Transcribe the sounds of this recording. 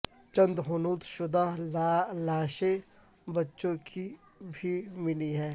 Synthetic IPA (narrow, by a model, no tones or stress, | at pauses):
t͡ʃə̃nd̪ɦʊnuːt̪ʃʊd̪aɦlaːʃe | bɐtːʃõkʰi | bʱimɪliɦɛː